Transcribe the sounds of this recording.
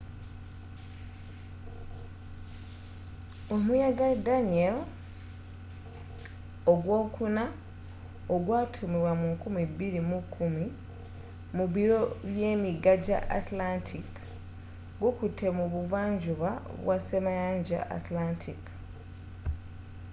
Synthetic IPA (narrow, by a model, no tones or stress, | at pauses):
omujaɡadaniel | oɡwo̞ːkuna | oɡwaːtʰumiwamukumibiɾimukʰumi | muβiɾo̞βjeːmiɡaɟa̰ʔatlantʰik | ɡokutʰe̞muβuvaːɲd͡ʒuβaβwasemajaːɲɟa̰ʔa̰tlantʰik